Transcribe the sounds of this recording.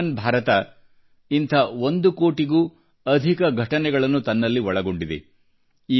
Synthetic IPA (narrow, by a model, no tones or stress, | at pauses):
ɐnbʱaːɾɐt̪ɐ | int̪ʰɐond̪ukoːʈiɡuː | ɐd̪ʱikɐɡʱɐʈɐnɛɡɐɭɐnːut̪ɐnːɐlːiʋɔɭɐɡo̞ɳɖid̪ḛ | iː